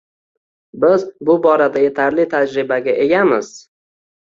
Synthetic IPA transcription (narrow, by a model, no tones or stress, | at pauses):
bɪzbʊbɒɾad̪aje̞t̪ʰaɾlɪt̪ʰad͡ʒɾɪbaɡʲaʔe̞ɡʲamɪz̥